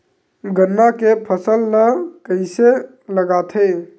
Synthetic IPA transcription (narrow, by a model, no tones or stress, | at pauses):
ɡənːakepʰəsəlnəkəɪse | ləɡat̪ʰə